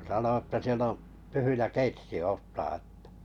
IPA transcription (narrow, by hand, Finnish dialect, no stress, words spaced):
sɑno etːæ siel o tyhyjæ keitsi oːtːɑː ĕtːæ